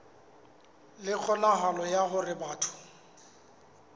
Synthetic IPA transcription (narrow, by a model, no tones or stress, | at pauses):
lɪk͡xʰɔnaɦalɔjaɦʊrɪbaːtʰʊ̥